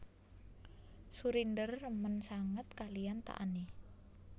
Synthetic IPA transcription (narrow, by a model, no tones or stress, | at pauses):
suɾindərːəmənsaŋət̪̚kalijant̪a̰ʔa̰ni